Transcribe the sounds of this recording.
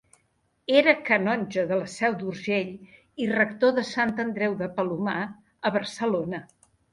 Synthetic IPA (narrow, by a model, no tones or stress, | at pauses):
eɾəkənɔnʲʒəðələsɛwd̪urʒeʎ | irəkt̪oðəsant̪ənd̪ɾɛwðəpəluma | əβəɾsəlonə